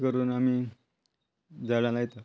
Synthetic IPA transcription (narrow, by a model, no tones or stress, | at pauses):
kəɾuːnami | d͡zaɭãlajt̪ə